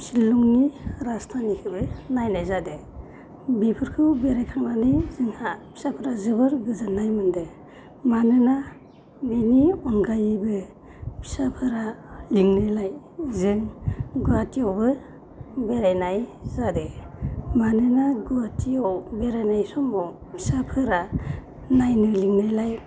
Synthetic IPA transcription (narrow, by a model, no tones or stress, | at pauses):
silːuŋniɾastʰanikʰɯbɯnajnajzadɯ | bipʰɯɾkʰɯwbeɾajkʰaŋnanɯjzɯŋhapʰi̥sapʰɯɾazɯbɯɾɡɯzanːajmɯndɯ | manɯna | miniɔnɡajbɯ | pʰi̥sapʰɯɾaliŋnɯjlaj | zɯŋɡuatiawbɯ | beɾajnajzadɯmanɯnaɡuatʰiɔwbeɾajnajsɔmːɔw | pʰi̥sapʰɯɾa | najnɯliŋnajlaj